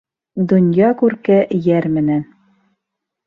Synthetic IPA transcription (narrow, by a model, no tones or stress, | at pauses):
d̪ŏnjɑkʉɾkæʔjæɾmɘ̆næn